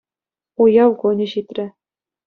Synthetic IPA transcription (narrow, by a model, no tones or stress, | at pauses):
ujɑwkonʲɘ̆ɕit̪ʲrʲɘ̆